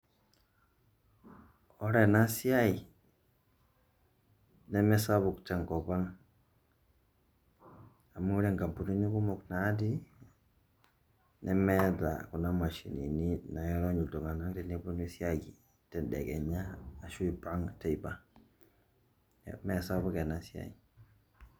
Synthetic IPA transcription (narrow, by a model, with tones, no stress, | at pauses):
ɔ˦ɾɛ˨na˦si˦a˦i˨ | nɛ˦mɛ˦sa˦βu˨ktɛ˨ŋkɔ˨ba˦ŋ | a˨mu˦ɾɛ˦ŋɡa˨mpu˨nu˦ni˦ku˦mɔ˨kna˨˦di˦ | nɛ˦mɛ˦da̰˨ku˨na˦ma˨ʃḭ˨nḭ˨ni˦na˨jɔ˦ɾɔ˦ɲu˨ltɔ˨ŋa˨na˦ŋtɛ˦ni˦bu˦ni˦si˦a˦ɡi˨ | tɛ˨ndɛ̰˨kɛ̰˨ɲaː˦˨ʃu˦i˨ba˦ŋtɛ˨i˨ba˦ | nɛ̰mɛ˨sa˦bʊ˦kɛ˨na˨si˦a̰˦i˨